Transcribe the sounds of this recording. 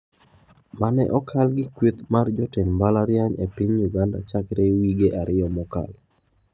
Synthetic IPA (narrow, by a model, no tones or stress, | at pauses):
manɛ̰ʔɔkʰalɡɪkwet̪mard͡ʒɔtɪmbalaɾjaɲepiɲjuɡanda̰t͡ʃakɾewiɡeʔaɾɪɔmɔka̰l